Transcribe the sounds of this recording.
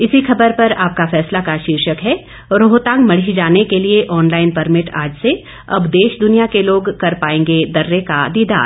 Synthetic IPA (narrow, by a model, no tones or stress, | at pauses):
ɪsixɐbəɾpɐɾaːp̚kafɛːslakaʃiːɾʃəkɦɛː | ɾoːɦt̪ãːŋɡmɐɽ̤id͡ʒaːnekelieʔɔːnlaːɪnpɐɾmɪʈa̰ːd͡ʒse | ɐ̰bd̪eːʃd̪ʊnijakeloːɡkɐɾpaːẽːŋɡed̪ɐɾːekad̪iːd̪a̰ːɾ